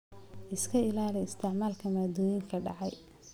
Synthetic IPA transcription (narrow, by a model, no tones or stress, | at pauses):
ʔɪskʰɐɪlaːlɛjɪst̪ʰɪʕmaːlkʰɐmaːd̪ɔːjɪŋkʰɐɖɑ̰ʕɑj